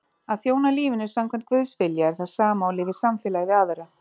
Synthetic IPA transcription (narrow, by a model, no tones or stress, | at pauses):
aðθjoːwnaliːvɪnʏsamkʰvɛmn̥t̪kvʏðsfɪljaɛɾθaðsaːmaɔwlɪːvɪsamfjɛlaɣɪvɪaːvɛɾa